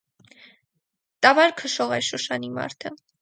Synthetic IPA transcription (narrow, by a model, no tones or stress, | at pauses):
t̪ɑvɑɾkʰəʃɔʁɑjɾʃəʃɑnimɑ̰ɾt̪ʰə